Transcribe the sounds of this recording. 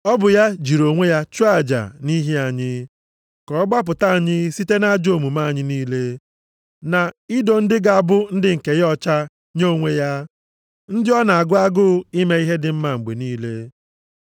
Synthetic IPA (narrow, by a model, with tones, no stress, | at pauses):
ɔ˦bʊ˨ja˦d͡ʒi˨ɾo˨ŋʷe˦ja˦t͡ʃu˦a˨d͡ʒa̰˨ni˦ɦi˦a˨ɲɪ˦ | kɔ˨˦ɡ͡ba˦p̬ʊ˨ta˦˨a˨ɲɪ˦si˦te˦na˦d͡ʒo˨mu˨ma˦a˨ɲɪ˦niː˦le˦ | na˨i˦do˦˨n̩˦dɪ˦ɡa˨a˨bʊ˦n̩˦dɪ˦ŋ̩˨ke˨jɔ˦t͡ʃa˦ | ɲo˦˨ŋʷe˦ja˦ | n̩˦dɪ˦ɔ˦na˨a˨ɡʊ˦a˦ɡʊ˦i˦me˦i˦ɦe˦dɪ˨m̩˦ma˨ŋ͡m̩˨ɡ͡bḛ˨niː˦le˦